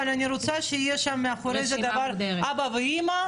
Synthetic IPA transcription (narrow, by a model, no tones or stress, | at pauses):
alaniɾut͡sʰaʃeijɛʃamːeaχoɾejzad̪avaɾabavɨima